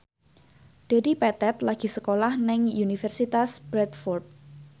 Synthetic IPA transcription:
d̪̥e̤d̪ipɛt̪ɛt̪laɡ̥i̤səkolahnɪŋjunifɛrsit̪asb̥ɾɛt̪fɔrt̪̚

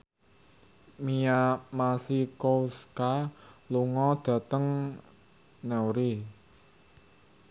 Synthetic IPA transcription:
mijamasikoskaluŋɔd̪̥ä̤t̪əŋ | nɛwɾi

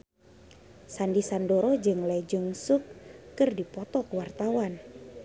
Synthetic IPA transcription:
sandisandoɾɔd͡ʒɨŋlad͡ʒuŋsukːɨrdipɔt̪ɔkuwart̪awan

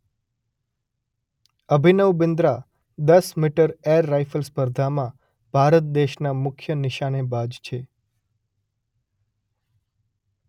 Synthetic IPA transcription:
əbʱinəʋbɪnd̪ɾa | d̪əsmiʈəɾeɾːajfəlspəɾd̪ʱamã | b̥ʱaɾət̪̚d̪eʃnamʊkʰjənɪʃanebad͡ʒt͡ʃʰe

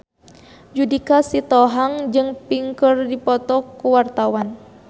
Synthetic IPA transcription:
d͡ʒudikasit̪ɔɦaŋd͡ʒɨŋpiŋkərdipɔt̪ɔkuwart̪awan

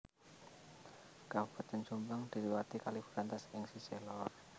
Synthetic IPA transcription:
kapat̪ənt͡ʃumbəŋd̪̥iliwat̪ikalifuɾant̪asɪŋsiselɔr

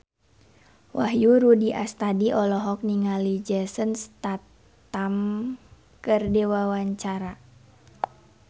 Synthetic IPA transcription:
wʔaɦjuɾudiʔast̪adiʔɔlɔɦɔk̚niŋalid͡ʒɛsənst̪at̪ | am | kərdewawaɲt͡ʃaɾa

